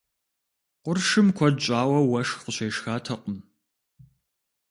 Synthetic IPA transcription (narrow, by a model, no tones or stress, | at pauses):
qʷʊrʂɨmkʷʰɔdɕʼaːwɐwɐʂqʊɕeːʂxaːtʰɐqʷʼʊm